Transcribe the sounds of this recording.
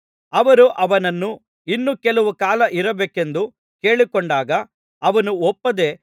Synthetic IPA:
ɐʋɐɾuʔɐʋɐnɐnːu | inːukɛlɐʋukaːlɐʔiɾɐbeːkend̪u | ke̞ːɭikoɳɖaːɡɐ | ɐʋɐnuɔpːɐd̪e̞ː

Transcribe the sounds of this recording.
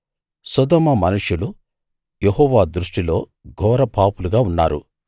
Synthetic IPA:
sɔd̪ɔːmɐmɐnuʂjulu | jeɦɔːʋaːd̪ɾuʂʈilo̞ː | ɡʱɔːɾɐpʰaːpuluɡaːunːa̰ːɾṵ

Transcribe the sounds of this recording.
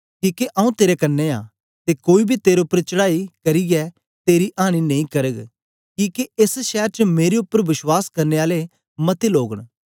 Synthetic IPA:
kiːkeʔɐːũt̪eːɾekɐnːea̰ː | t̪ekoːibʱit̪eːɾeʊpːəɾt͡ʃəɽaːikɐɾiɡɛ | t̪eːɾiʔaːɽ̃inɐ̃ĩkɐɾəɡ | kiːkeɪsʃɛːɾt͡ʃəmeːɾeʊpːəɾʋɪswaːskɐɾneaːle | mɐt̪iloːɡəɽ̃

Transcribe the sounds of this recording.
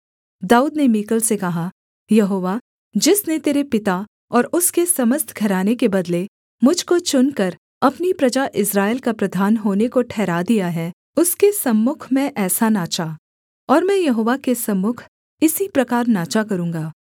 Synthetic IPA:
d̪aːuːd̪nemiːkəlsekɐɦa | jɐɦoːʋa | d͡ʒɪsnet̪eːɾepɪt̪a | ɔːɾʊskesɐməst̪ʰɡʱɐɾaːnekebɐd̪le | mʊd͡ʒʱkot͡ʃʊnkɐɾ | ɐpnipɾɐd͡ʒaʔɪsɾaːɪlkapɾɐd̪ʱaːnɦoːnekoʈʰɛːɾad̪ijaɦɛː | ʊskesɐmːʊkʰmẽʔɛːsanaːt͡ʃa | ɔːɾmɛ̃jɐɦoːʋakesɐmːʊkʰ | ɪsipɾɐkaːɾnaːt͡ʃakɐɾũːŋɡaː

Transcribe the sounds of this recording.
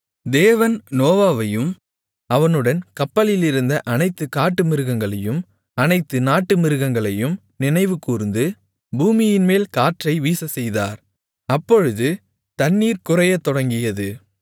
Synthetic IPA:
d̪eːʋɐnnoːʋaːʋɐjɯm | ɐʋɐnɯɽɐnkɐpːɐlɪlɪɾɯnd̪ɐʔɐnɐɪt̪ːɯkaːʈːɯmɪɾɯɣɐŋɡɐɭɐjɯm | ɐnɐɪt̪ːɯnaːʈːɯmɪɾɯɣɐŋɡɐɭɐjɯm | nɪnɐɪʋɯkuːɾɯnd̪ɯ | buːmɪjɪnmeːlkaːʈrɐɪʋiːsɐsɛjða̰ːɾ | ɐpːɔɻɯðɯ | t̪ɐnːiːɾkʊrɐjɐt̪ːɔɽɐŋɡɪjɐðɯ

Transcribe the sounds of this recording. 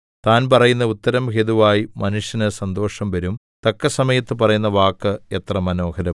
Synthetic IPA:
t̪aːnpɐrɐjunːɐut̪ːɐɾɐmɦed̪uʋaːjimɐnuʂjɐnɨsɐnd̪o̞ːʂɐmʋɐɾum | t̪ɐkːɐsɐmɐjɐt̪ːɨpɐrɐjun̪ːɐʋaːkːɨet̪rɐmɐno̞ːkɐɾɐ

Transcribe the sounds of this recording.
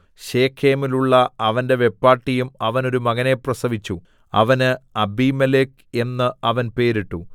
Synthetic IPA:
ɕe̞ːkʰːeːmiluɭːɐɐʋɐnde̞ʋe̞pːaːʈːijumɐʋɐno̞ɾumɐɣɐneprɐsɐʋit͡ɕːu | ɐ̰ʋɐnɨɐbimelek | e̞nːɨɐʋɐnpe̞ːɾiʈːu

